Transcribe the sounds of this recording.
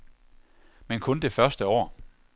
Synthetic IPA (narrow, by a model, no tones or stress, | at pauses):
menkʰɔ̽nd̥e̝fɶɐsd̥əɒ̰ː